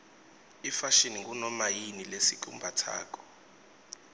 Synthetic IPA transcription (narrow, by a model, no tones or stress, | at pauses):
ifaʃiniŋk̬ʼunɔmajinilesikʼṵmbʱatʰa̰ːk̬ʼɔ̥